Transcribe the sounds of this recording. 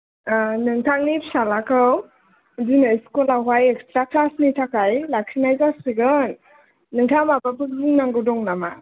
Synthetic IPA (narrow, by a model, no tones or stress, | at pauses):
nɯŋtʰaŋnipsalakʰɯw | dinaiskulawajek̚stɾaklasnitʰakajlakʰinajzasiɡɯnː | ɯŋtʰamapapʰɯk̚zinaŋɡɯdɔŋnama